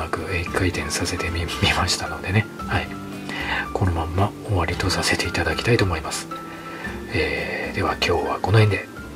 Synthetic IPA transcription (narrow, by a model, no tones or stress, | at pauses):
akɯ̟ekait̪ẽ̞ɰ̃sase̞t̪e̞mʲimʲimaɕi̥t̪ano̞d̪e̞ne | hai | kʰo̞no̞mãmːa | oβaɾʲit̪o̞sase̞t̪e̞it̪ad̪akʲi̥t̪ait̪o̞ːmoimasɨ̥ | eːd̪̥e̞βakʲo̞ːβako̞nohẽ̞nd̪e̞